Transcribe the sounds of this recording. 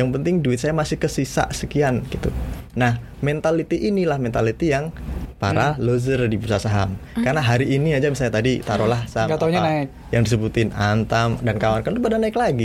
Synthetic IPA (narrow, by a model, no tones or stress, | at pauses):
jaŋpənt̪ɪŋduɪt̪̚sajamasɪhkəsisa̰ʔsəkianɡit̪ṵnah | mɛnt̪alit̪iʔinilahmɛnt̪alit̪ijaŋpa̰ɾalozərdibusasaɦa̰mkarnaɦaɾiʔːniad͡ʒamis̬alɲat̪adit̪aɾolahsaaɡat̪auɲanaɪk̚ | jaŋdis̬əbut̪ɪnant̪amdankawankanlubadanaɪklaɡi